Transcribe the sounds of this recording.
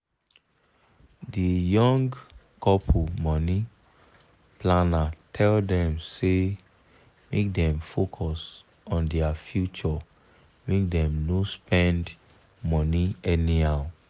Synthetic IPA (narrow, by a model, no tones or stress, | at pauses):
dijɔ̃ŋɡ | kɔpʰomɔni | planatʰɛldɛ̃mse | mek̚dɛ̃mfokʰɔs | ɔ̃ndɛafjut͡ʃɔ | mek̚dɛ̃mnospɛ̃nd | mɔniɛniaʊ